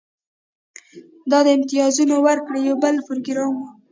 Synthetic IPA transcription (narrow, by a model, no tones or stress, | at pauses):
d̪ɑd̪əɪmt̪ijɑzunowəɾkɽejawbəlpɾoɡɾɑmwu